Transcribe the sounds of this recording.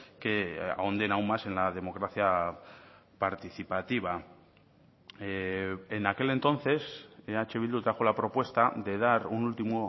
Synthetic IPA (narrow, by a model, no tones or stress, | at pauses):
kea̰ond̪e̞naummase̞nlað̞e̞mo̞kɾaθja | paɾt̪iθipat̪iβ̞a | eenake̞le̞nt̪õ̞nθe̞seat͡ʃeβild̪ut̪ɾaxolapɾo̞pwe̞st̪ad̪e̞ð̞aɾunult̪imo